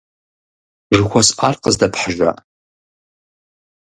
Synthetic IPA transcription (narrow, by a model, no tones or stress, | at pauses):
ʒɨkʷasʔarqəzdɐpʰħaʒʷa̰ʔ